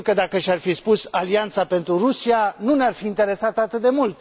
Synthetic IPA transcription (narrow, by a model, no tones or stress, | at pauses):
kəd̪akəʃʲarfispusaliant̪sape̞nt̪ɾuɾusianunearfiːnt̪e̞ɾe̞sat̪əat̪ɨt̪̚d̪e̞mult̪